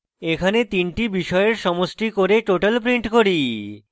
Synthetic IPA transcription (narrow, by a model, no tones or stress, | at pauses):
ekʰanet̪inʈibiʃɔeeɾʃɔmoʃʈikoɾeʈoʈalpɾiɳʈkoɾi